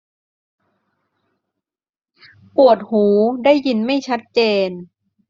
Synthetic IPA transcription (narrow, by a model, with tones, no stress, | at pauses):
pu˨˩ət̪̚huː˩˦daː˥˩jːi˧nma˥˩jt͡ɕʰa˦˥t̪̚t͡ɕeː˧n